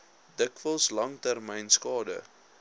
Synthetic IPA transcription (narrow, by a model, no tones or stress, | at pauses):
dəkvəlˠslɐŋtærmɛjnskɑːdə̰